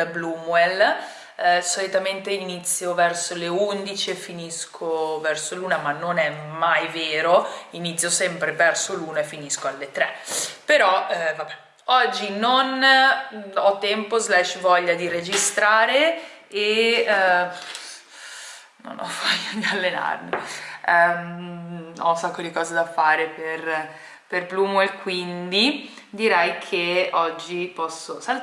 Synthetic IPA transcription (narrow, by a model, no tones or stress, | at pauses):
blumwɛl | solit̪ament̪einit̪sːjovɛrsoleund̪it͡ʃiefːiniskʰovɛrsoluːnamanːonɛmajveːɾoinit̪sːjosɛmpɾevɛrsoluːnoefːiniskoalːet̪ɾɛpeɾɔvabɛ | ɔd͡ʒːinon | ɔt̪ːɛmpozlɛʃvɔʎːad̪iɾed͡ʒist̪ɾaːɾee | no̰nɔ̰vɔjoiŋɡalːena̰rne | ɔ̰unsakːod̪ikɔːzed̪afaːɾeper | perpluːmoekːwind̪i | d̪iɾɛjkʰeɔd͡ʒːipɔsːosal